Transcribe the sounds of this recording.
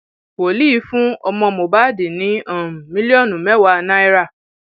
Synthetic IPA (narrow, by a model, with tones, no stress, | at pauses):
wo˨li˦˨˦fũ˦ɔ˧mɔ̃˧mo˨ba˦de˨nĩ˨˦ã˨mĩ˦li˦ɔ˦˨nũ˨mɛ˦wa˧nã˦i˦ɾa˦˨